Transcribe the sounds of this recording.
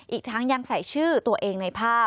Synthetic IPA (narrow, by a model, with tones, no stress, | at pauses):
ʔiː˨˩k̚t̪ʰa˦˥ŋja˧ŋsa˨˩˦jt͡ɕʰɯː˥˩t̪u˧ɐʔeː˧ŋna˧jpʰaː˥˩